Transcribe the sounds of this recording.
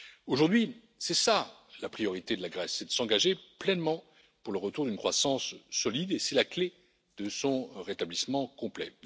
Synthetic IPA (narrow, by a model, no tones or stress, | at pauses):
oʒuʁd̪ɥi | sɛsalapχijɔʁit̪ed̪əlaɡʁɛsːɛd̪əsɑ̃ɡaʒeplɛnmɑ̃ | puʁləʁət̪uʁd̪ynkχwasɑ̃sːɔlid̪esɛlakle | d̪̥əsɔ̃ʁet̪ablismɑ̃kɔ̃plɛ